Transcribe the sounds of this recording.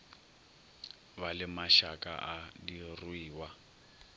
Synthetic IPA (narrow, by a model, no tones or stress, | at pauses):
βalɪmaʃakʼa̰ʔadirwiːwa